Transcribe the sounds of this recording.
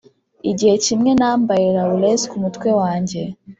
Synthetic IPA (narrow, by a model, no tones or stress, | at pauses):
iɟihe̞cimŋe̞naːmbajeɾauleskumutkwe̞waːɲɟe̞